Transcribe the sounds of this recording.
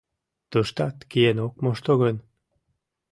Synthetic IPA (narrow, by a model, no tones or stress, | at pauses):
t̪əʃt̪ɑt̪kienok̚moʃt̪oɣen